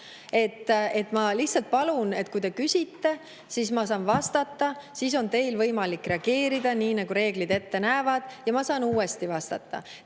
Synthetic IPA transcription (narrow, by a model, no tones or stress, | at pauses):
e̞t̪ːˑe̞t̪ːˑmɑliht̪sɑlt̪̚pɑlune̞t̪̚kujt̪e̞kysʲit̪ːe̞ | sismɑsɑːnvɑst̪ɑt̪ːɑsis̬o̞nt̪e̞jlvɤjmɑlikːre̞ɑɡ̥e̞ːɾid̪̥ɑniːnɑɡuɾe̞ːɡ̥lid̪e̞t̪ːe̞næːvɑd̪̥jɑmɑsɑːnuːe̞st̪ivɑst̪ɑ̰t̪ːɑ̰